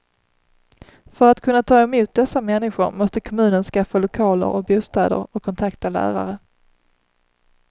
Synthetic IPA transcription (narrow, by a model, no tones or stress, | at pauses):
fœɾat̪kʰɵnːat̪ʰɑːɛmuːt̪̚d̪ɛsːamɛnːɪɧʊɾmɔst̪əkʰɔmʉ̟ːnənskafːalʊkʰɑːlə̰ɾɔk̚buːst̪ɛːd̪ə̰ɾɔkʰːɔnt̪ʰakt̪ʰalæ̰ːɾa̰ɾə